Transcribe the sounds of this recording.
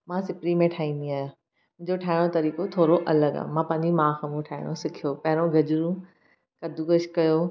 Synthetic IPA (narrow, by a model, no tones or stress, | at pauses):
mãːsɪpɽimẽʈʰaːĩːnd̪iaːɦja | mʊ̃ɦɪ̃ɲd͡ʑoʈʰaːɪɽ̃ot̪ɐɾiːkot̪ʰoːɾoʔɐləɡa̰mãpɐ̃ɦɪ̃ɲd͡ʑimãːxɐmũʈʰaːɪɽ̃osɪkʰijopɐɦɪɾõɡʱɐd͡ʑɾũ | kɐd̪ʱuɡɐʃkɐjo